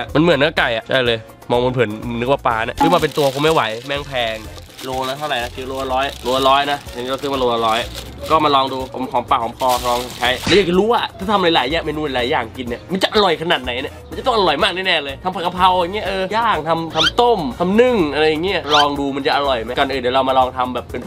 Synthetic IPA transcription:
a˧˩ma˧nmɯ˩˦nːɯ˦˥˩ka˨˩jʔa̰˩t͡ɕʰa̰˥˩jlɤː˧j | mɔː˧ŋmo˧npʰɯ˨˩˦n˧nɯ˦˥k̚waː˧˩paː˧na˦˥˩pʰɯ˥˩waː˧p̬e˧nt̪u˧ɐkʰo˧˦ma˥˩jwa˩˦jmɛː˥˩ŋpʰɛː˧ŋ | loː˧lɛː˦˥t̪ʰa˥˩ɾa˨˩jna˦˥ki˧˩loː˧ʔa˧lɔː˦˥jloː˧ʔa˧lɔː˦˥jna˦˥a˧niː˦˥˧sʰɯ˥˩˨maː˧loː˧ʔa˧lɔː˦˥jʔ | kɔː˥˩maː˧lɔː˧ŋduː˧kkʰɔː˨˦ŋpaː˨˩kʰɔː˩˦ŋpɔː˧lɔː˧ŋt͡ɕʰa˦˥jlɛ˦˥˩jaː˨˩t͡ɕa˧ɾuː˦˥a˨˧ʔt̪ʰaː˥˩t̪ʰm˧la˨˦laː˩˦jɛː˧˩me˧nduː˧˨la˧laː˨˦jaː˨˩ŋki˧nːi˧˩ma˧˥nt͡ɕa˨ʔa˧ɾɔ˨˩jkʰa˧naː˨˩t̪̚na˩˦jni˧˩ma˧nt͡ɕt̪ɔ˥˩ʔa˧ɾɔ˨˩jmaː˥˩k̚na˥˩nɛː˧˩lɤː˧jt̪ʰa˧mpʰa˧˩ka˧pʰa˧wa˨˧˩ŋi˦˥ɐʔɤː˧jaː˥˩ŋt̪ʰa˧mt̪ʰa˧mt̪o˥˩mt̪ʰa˧mnɯ˧˥˩ŋʔa˧ɾa˧jːa˨˩ŋi˦˥˨lɔː˧ŋduː˧ma˧nt͡ɕa˨˩ʔa˧ɾɔ˨˩jma˦˥kɔː˧nʔɯː˨˩nːdiː˦ɾa˧wmaː˧lɔː˧ŋt̪ʰa˧mbɛː˨˩pːe˧n

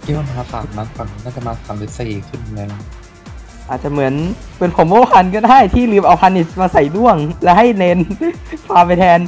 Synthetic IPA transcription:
ki˧˥a˧˩n˧aː˧˩fa̰ː˨˩k̚na˧˥nka˨˧˩ŋ˧˩na˥˩t͡ɕa˨˩maː˧˩kʰa˧˩mdi˦˥t̪̚sa˧i˨˩kʰɯ˧˥˩n˧ne˧ŋ˩ | ʔaː˨˩t̪̚t͡ɕa˨˩mɯ˩˦ən | pe˧npʰo˨˩˦mboː˦˥˩pʰa˧nkɯː˥˩daː˥˩jt̪ʰiː˥˩lɯː˧˩mʔa˧wpʰa˧nːʔi˨˩maː˧sa˨˩jdu˥˩əŋlɛ˦˥ha˥˩jne˧npʰaː˧pa˧jt̪ʰɛː˧n

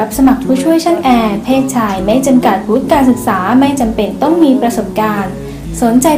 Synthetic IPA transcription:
a˦˥p̚sa˧ma˨˩k̚pʰuː˥˩t͡ɕʰu˥˩əjt͡ɕʰa˥˩nʔɛː˧pʰeː˥˩t̪̚t͡ɕʰaː˧jma˥˩jt͡ɕa˧mka˨˩t̪̚wu˦˥t̪̚kaː˧nsɯ˨˩k̚saː˩˦ma˥˩jt͡ɕa˧mpe˧nt̪ɔ˥˩ŋmiː˧pɾa˧so˨˩p̚kaː˧n | so˩˦nt͡ɕa˧j

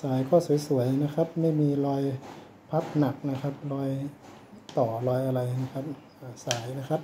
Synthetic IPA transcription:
saː˩˦jkʰɔː˥˩su˩˦jsu˩˦əjna˦˥kʰa˦˥p̚ma˥˩jmiː˧lɔː˧j | pʰa˦˥p̚na˨˩k̚na˦˥kʰa˦˥p̚lɔː˧j | t̪ɔː˨˩lɔː˧jʔa˧ɾa˧jna˥˩kʰa˦˥p̚ | ʔaː˨˧˩saː˩˦jna˦˥kʰa˦˥p̚

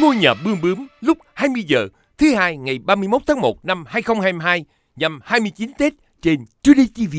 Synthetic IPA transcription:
ŋo˧jɲəː˨˩p̚ɓɨ˧əŋɓɨ˨˦ŋlʊ˦˥k͡p̚haː˧jmɨ˧əjzə̰ː˨˩ | t̪ʰɨ˨˦haː˧jŋa˨˩jɓaː˧mɨ˧jmo˦˥t̪̚ʰːŋmo˨˩t̚na˧mhaː˧jxə˧wŋ͡mhaː˧jma˧ɦaː˧j | ɲa˧˩mhaː˧jmɨ˧əjt͡ɕi˨˦nt̪e˦˥t̚ | t͡ɕe˧nt͡ɕu˨˦ɗi˧t͡ɕi˧vi˧˨

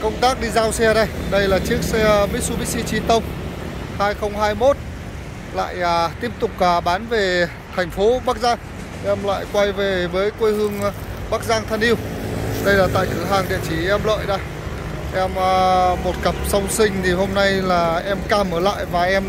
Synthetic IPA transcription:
kə˧wŋ͡mt̪aː˦˥k̚ɗi˧zaː˧wsɛ˧ɗə˧jɗə˧jlaː˨˩t͡ɕɨ˦˥ək̚sɛ˧mi˦˥k̚su˧ɓi˦˥si˧t͡ɕi˧t̪ə˧wŋ͡m | haː˧jxə˧wŋ͡mɦaː˧jmo˦˥t̚ | la̰ː˧˨jʔəː˨˩t̪i˦˥əp̚t̪ʊ˨˩k͡p̚a˨˩ɓaː˨˦nve˨˩ | t̪ʰɛ˨˩jŋ̟fo˨˦ɓa˦˥k̚zaː˧ŋ | ʔɛ˧mla̰ː˧˨jkwa˧jve˨˩vəː˨˦jkwe˧jhɨ˧əŋɓaː˦˥k̚zaː˧ŋt̪ʰa˧nʔi˧əwɗə˧jlaː˨˩t̪a̰ː˧˨jɦaː˨˩ŋɗḭ˧˨ət͡ɕi˧˩ʔɛ˧mlə̰ː˧˨jɗə˧j | ʔɛ˧mː˧mo˨˩t̚kə˨˩p̚sə˧wŋ͡msï˧ŋ̟t̪ʰi˨˩ho˧mna˧jlaː˨˩ʔɛ˧mkaː˧˩mʔəː˧˩la̰ː˧˨jvaː˨˩ʔɛ˧m

